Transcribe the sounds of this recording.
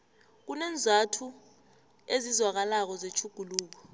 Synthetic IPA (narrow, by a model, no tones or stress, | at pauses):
k̬uneːnd͡zʱatʰu | ezizwak̬alak̬ɔzet͡ʃʰuɡ̥ʱuluːk̬ɔ